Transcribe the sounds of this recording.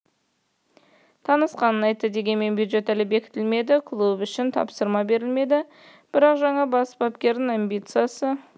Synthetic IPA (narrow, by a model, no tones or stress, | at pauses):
t̪ʰɑnəsqɑnənɑjt̪ːəd̪e̞ɡʲe̞nme̞nbʲjud̪ʒe̞t̪ælɪbe̞kʲɪ̥t̪ɪlme̞d̪ɪkʰlˠubʏʃɪnt̪ʰɑ̰psəɾmɑbe̞ɾɪlme̞d̪ɪ | b̥ɪɾɑqʒɑɴɑbɑsbɑpkʲe̞ɾd̪ɪŋambʲijt̪sɨjasə